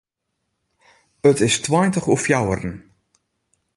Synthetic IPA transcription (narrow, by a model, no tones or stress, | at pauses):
ətɪstwajntəχɔfjawərən